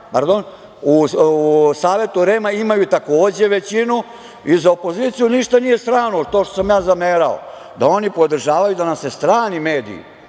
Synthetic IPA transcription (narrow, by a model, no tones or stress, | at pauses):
paɾd̪o̞n | u | saːʋe̞t̪uɾeːmaimajut̪ako̞ːd͡ʑe̞ʋe̞t͡ɕinu | izaopo̞ziːt̪sijuniʃt̪anije̞st̪ɾaːnot̪o̞ːʃt̪osamjaːzameːɾao̰ | d̪ao̞nipo̞d̪r̩ʒaːʋajud̪anasest̪ɾaːnime̞ːd̪ḭḭ